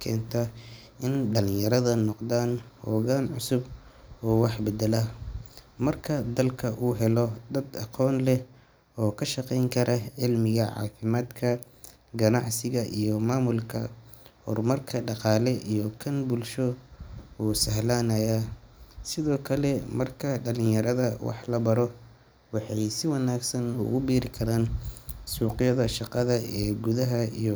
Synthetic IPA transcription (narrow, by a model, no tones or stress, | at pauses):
kʰɛ̰ːnt̪ʰɐ | ʔɪnɖɐlɪ̃jɐɾɐðɐnɔqd̪aːnhɔːɣaːnʕʊsʊbɔːwɑħbɛd̪ɛlɐ | mɐrkʰɐd̪ɐlkʰɐʔuːɦɛlɔd̪ɐd̪ɑqɔːnlɛ | ɔːkʰɐʃɑqɛjŋkʰɐɾʔɐʕɪlmɪɣɐʕɑ̰ːfɪmaːd̪kʰɐ | ɡɐnɑʕsɪɣɐʔijɔmaːmʊlkʰɐhɔ̰rmɐrkʰɐɖɑqɑːlɛʔijɔkʰɐnbʊlʃɔ | uːsɐɦlaːnɐjasɪðɔːkʰɐlɛmɐrkʰɐɖɐlɪ̃ŋjɐɾɐðɐwɑ̰ħlɐbɐɾɔ | wɑħɑjsɪwɑnaːɡsɐnʊ̰ɣʊbiːɾɪkʰɐɾaːnsuːqɪjɐðɐʃɑqɑðɐɛːɡʊðɐɦɐḭjɔ